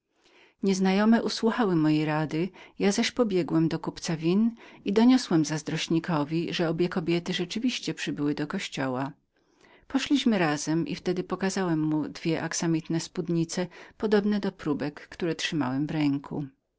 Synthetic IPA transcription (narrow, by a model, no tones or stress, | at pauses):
ɲɛznajɔmɛʔuswuxawɘmɔjejɾad̪ɘjazaɕpɔbʲjɛɡwɛmd̪ɔkupt̪savʲinid̪ɔɲɔswɛmzazd̪ɾɔɕɲikɔvʲiʐɛɔbʲjɛkɔbʲjɛt̪ɘʐɛt͡ʂɘvʲiɕt͡ɕɛpʂɘbɘwɘd̪ɔkɔɕt͡ɕɔwa | pɔʂlʲiɕmɘɾazɛmʔḭft̪ɛd̪ɘpɔkazawɛmːud̪vʲjɛʔaksamʲit̪nɛspud̪ɲit̪sɛpɔd̪ɔbnɛd̪ɔpɾubɛkːt̪uɾɛtʂɘma̰wɛmvɾɛŋkʰṵ